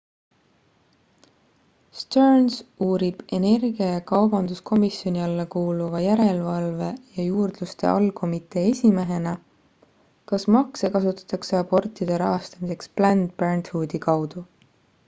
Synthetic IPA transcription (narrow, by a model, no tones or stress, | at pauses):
st̪ørnsuːɾib̥e̞ne̞rɡiɑjɑkɑwbɑnd̪̥uskʰo̞misjo̞nʲiɑlːɑkuːluvɑjæɾe̞lvɑlve̞jɑjuːrd̪̥lust̪e̞̰ʔɑ̰lko̞mit̪ˑe̞ːesʲime̞ɦe̞nɑ | kɑsmɑkse̞kɑsut̪ːˑɑ̥t̪ːˑɑkseɑbo̞rt̪ːˑid̪̥e̞ɾɑɦɑst̪ɑmise̞ksplænd̪̥̚bærnt̪huːd̪̥ikɑwd̪̥u